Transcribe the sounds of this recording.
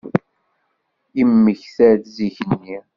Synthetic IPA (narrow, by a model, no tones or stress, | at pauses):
imːəçθæɾθziçənːi